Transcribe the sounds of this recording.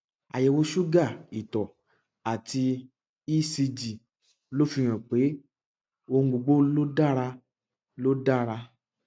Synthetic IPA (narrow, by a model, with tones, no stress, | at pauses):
a̰˨jɛ˨wo˧ʃu˦ɡa˦˨i˨tɔ˨ | a˨ti˧ | i˦si˧d͡ʒi˨ | lo˦fi˧ɾ̃ã˨k͡pe˨˦ | o˧ŋ̩˦˧ɡ͡bo˧ɡ͡bo˦lo˦da˦ɾa˧ | lo˦da˦ɾa˧